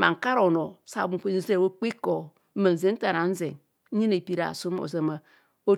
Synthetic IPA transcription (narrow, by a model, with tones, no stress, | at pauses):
ma˨ŋ̩˨ka˦ɾo˨no˨sa̰˨bu˨ki˦n˦ze˦˨wo˦k͡pi˦ko˨˦ | mə˨n̩˨ze˦n̩˦ta˨na˨n̩˦ze˨ŋ˦ | ɲi˦ne˨pi˦ɾa̰˨su˦m˦o̰˨ze˨ma˨ | o˦